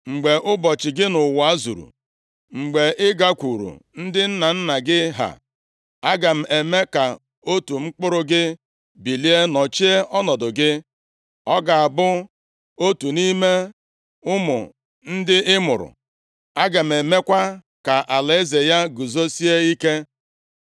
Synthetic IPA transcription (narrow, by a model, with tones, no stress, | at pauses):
ŋ͡m̩˨ɡ͡be˨ʔʊ˦bɔ˨t͡ʃɪ˨ɡɪ˦nʊ˨wa˦zṵ˨ɾṵ˨ | ŋ͡m̩˨ɡ͡be˨ɪ˦ɡa˦kʷu˨ɾṵ˨n̩˦dɪ˦n̩˦na˨n̩˦na˨ɡɪ˦ɦa̰˨ | a˦ɡa˨m̩˨e˨me˦ka˨ | o˦tu˨ŋ͡m̩˦k͡pʊ˦ɾʊ˦ɡɪ˦ | bi˨li˦e˦nɔ˨t͡ʃi˦e˦ɔ˦nɔ˨dʊ˨ɡɪ˦ | ɔ˦ɡa˨a˨bʊ˦ | o˦tu˨ni˦me˦ | ʊ˦mʊ̰˨ | n̩˦dɪ˦ɪ˦mʊ̰˨ɾʊ̰˨ | a˦ɡa˨m̩˨e˨me˦kʷa˦ | ka˨ʔa˨la˨e˦ze˨ja˦ɡu˨zo˦si˦e˦i˦ke˦